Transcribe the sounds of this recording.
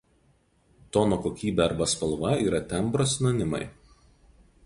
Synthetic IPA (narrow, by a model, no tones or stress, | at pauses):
t̪ɔnoːkoːkʲiːbʲɛɐɾbɐspɐlˠʋɐiːɾɐt̪ʲɛmˑbɾosʲnonʲɪmɐɪ